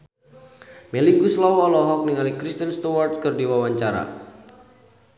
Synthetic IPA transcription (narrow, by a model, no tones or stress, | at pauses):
meliɡuslɔwɔlɔɦɔk̚niŋalikɾist̪ənst̪uwart̪skɨrdiwawaɲt͡ʃaɾa̰